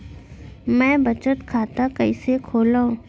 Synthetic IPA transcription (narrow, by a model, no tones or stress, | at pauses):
mɛ̃ːbət͡ʃət̪kʰaːt̪akɐisekʰoːlaũ